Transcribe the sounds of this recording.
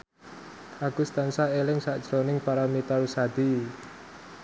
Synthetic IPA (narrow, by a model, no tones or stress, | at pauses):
ʔaɡ̥ust̪ansaelɪŋsaʔd̥ʒ̥ɾonɪŋpaɾamit̪aɾusad̪̥i